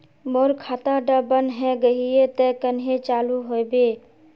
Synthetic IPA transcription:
moːɾkʰaːt̪aɖabənɦɛ̃ɡəɦiet̪əkənɦet͡ʃaːluɦobeː

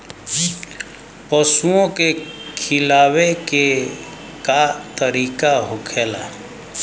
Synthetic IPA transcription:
pəsuõkekʰɪlaːweke | kat̪əɾiːkaɦʊkʰeːla̰ː

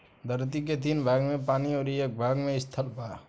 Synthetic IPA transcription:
d̪ʱəɾt̪ik̬et̪̬inbʱaːɡmẽpaːniɔːɾieːk̚bʱaːɡmeɪst̪ʰəlbaː

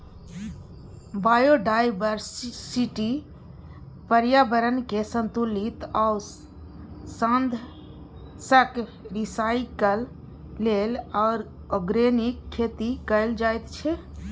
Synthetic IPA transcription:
bajoɖajbəɾssiʈi | pəɾjabəɾənkesənt̪ulit̪au | sənd̪ʱ | sək | ɾisajkəlː | elaʊɾ | əɡɾenikʰːet̪ikəɪld͡ʒajt̪t͡ʃʰɛ

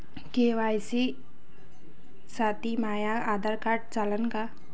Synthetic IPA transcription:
keːʋaːjsi | saːt̪imaːjaaːd̪aɾkaːʈ̚t͡ʃalənka

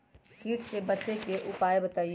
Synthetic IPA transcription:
kiːʈsebɐt͡ʃekeʔʊpaːebɐt̪aːi

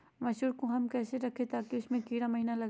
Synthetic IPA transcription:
ʋɐʃuːɾkoɦɐmkɛːseɾɐkʰet̪ʰaːkiʊsmẽkiːɾamɐɦiːnalɐɡ

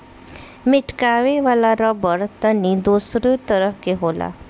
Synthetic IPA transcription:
mɪʈkaːʋeʋaːlaɾabəɾt̪ənid̪uːsɾət̪əɾəɦkeɦoːla̰ː

